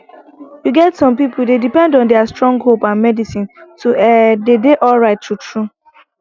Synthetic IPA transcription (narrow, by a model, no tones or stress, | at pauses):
juɡɛtsɔ̃mpipodedipɛ̃ndɔ̃ndɛastɹɔ̃ŋɡɦopãnmɛdisĩntuɛdedeʔɔlɹaɪtːutɹu